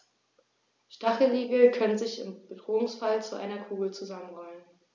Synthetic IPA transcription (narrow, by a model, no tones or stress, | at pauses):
ʃtaχl̩ʁiːɡl̩kʰœnənzɪçɪ̰mb̥ədʁoːʊŋsfalt͡suʔa̰ɪnɐkʰuːɡl̩t͡suzamənʁɔʏən